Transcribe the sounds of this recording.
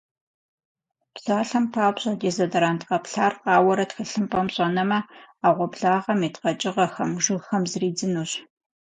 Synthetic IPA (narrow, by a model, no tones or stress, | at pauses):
pz̥aːɬɐmpʰaːbɕʼɐdeːzɐdɐɾaːntqɐpɬaːrqɑːwɐɾɐtxɨɬɨmpʼɐmɕʼɐnɐmɐaːʁʷɔbɮaːʁɐmeːtqɐt͡ʃʼɪʁɐxɐmʒɪɣxɐmzɨriːd͡zɨnuːɕ